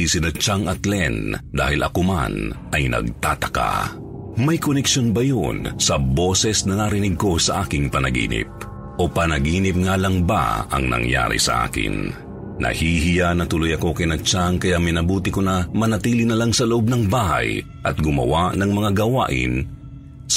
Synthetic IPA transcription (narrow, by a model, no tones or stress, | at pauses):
isɪnɐt͡ʃaŋɐt̪lɛnd̪a̰ːhɪlʔɐ̰koma̰nɐjnɐ̰ɡ̚t̪aːt̪ɐ̥ka̰ | mɐjkonɛkʃo̞nbɐjonsɐbo̞ːsɛsnɐnaɾɪnɪɡ̚ko̞sɐʔaːkɪŋpɐnɐɡḭːnɪ̰p̚ | ʔo̞pɐnɐɡiːnɪp̚ŋaːlɐŋba̰ɐ̰ŋnɐ̰ŋja̰ːɾɪ̰sɐ̰ʔa̰ːkɪ̰nː | ɐ̰hihɪjanɐt̪ʊlojɐko̞kɐjnɐɡ̚t͡ʃaŋkɐjaʔmɪjnɐbuːt̪ɪkʊnɐmɐnɐt̪iːlɪnɐlaŋsɐloʔob̚nɐŋbaːɦɐ̰j | ʔɐt̪̚ɡʊmɐ̰wanɐŋmɐŋaɡɐwa̰ːʔɪ̰n